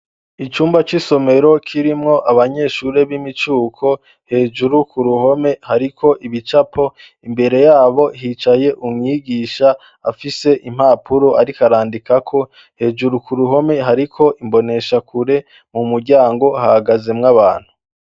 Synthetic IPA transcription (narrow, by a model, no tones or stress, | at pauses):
it͡ʃuːmbat͡ʃiso̞me̞ɾo̞kʰiɾimŋo̞ʔaβaɲe̞ʃuːɾe̞βimit͡ʃuːkʰo̞ | he̞ːd͡ʒuɾukʰuɾuho̞me̞haɾikʰo̞ʔiβit͡ʃapʰo̞ | imbe̞ɾe̞jaːβo̞ɦit͡ʃaje̞ʔumŋiːɡiʃaː | fise̞ʔim̥haːpʰuɾoʔaɾikaɾaːndikakʰo̞ | he̞d͡ʒuɾukuɾuɦo̞me̞ɦaɾikʰo̞ʔimbo̞ne̞ʃakuɾe̞ | mumuɾɟaːŋɡo̞hahaɡaze̞mŋaβaːn̥hu